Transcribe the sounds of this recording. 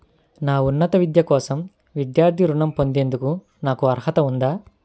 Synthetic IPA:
naːunːɐt̪ɐʋid̪jɐkɔːsɐm | ʋid̪jaːɾt̪ʰiɾuɳɐmpo̞nd̪e̞ːnd̪uku | naːkuɐɾɦɐt̪ɐund̪aː

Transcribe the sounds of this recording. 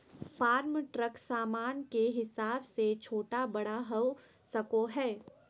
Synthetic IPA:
faːɾmʈɾəksaːmaːnkeɦɪsaːbset͡ʃʰoːʈabɐɽaɦɐ | sɐkoɦɛː

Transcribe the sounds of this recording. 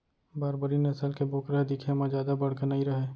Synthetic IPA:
baːɾbəɾinɐsəlkeboːkɾəɦed̪ɪkʰemãd͡ʒjaːd̪abɐɽ̤kənaɦiɾəɦeː

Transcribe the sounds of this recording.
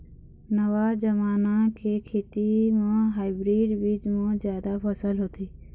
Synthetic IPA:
nəʋad͡ʒəmaːnakʰeːkʰeːt̪imãːɦaːɪbɾiːɖʋiːd͡ʒmə̃ːzjaːd̪apʰəsəlɦoːt̪ʰiː

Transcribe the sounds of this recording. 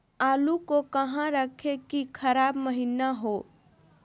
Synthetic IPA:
aːlukokɐɦãɾəkʰekikʰɐɾaːbməɦinaɦoː

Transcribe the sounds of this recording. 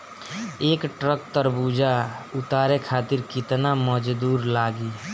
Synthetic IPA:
eːkʈɾək̚t̪əɾbuːd͡ʒʱaʊt̪aːɾekʰaːt̪ɪɾkɪt̪naməd͡ʒd̪uːɾlaːɡiː

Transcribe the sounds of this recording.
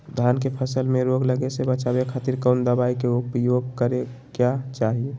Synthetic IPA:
d̪ʱankepʰəsəlmẽɾoɡləɡesebət͡ʃabekʰat̪iɾkəʊnd̪əbaikeʊpjoɡ̚kəɾe | kjat͡ʃaɦie

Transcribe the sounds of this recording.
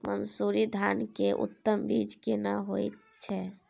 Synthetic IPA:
mənsuɾid̪ʱankeʔṵt̪ːəmbid͡ʒkenaɦojt̪ | t͡ʃʰɛ

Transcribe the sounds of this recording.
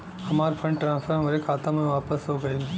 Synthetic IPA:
ɐmaːɾpʰə̃ɳɖʈɾãːnsfəɾ̃mʋɐɾekʰaːt̪ãmẽʋaːpəsɦoɡɐi

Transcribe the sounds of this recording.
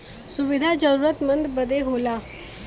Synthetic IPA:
suʋid̪ʱad͡ʒəɾuːɾət̪mənd̪bəd̪ʱeɦola

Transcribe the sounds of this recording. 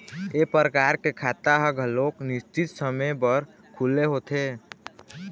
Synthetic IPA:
epəɾəkaːɾkekʰaːt̪aɦəɡʱəloːknɪst͡ʃɪt̪səməjbəɾ | kʰuleɦoːt̪ʰeː

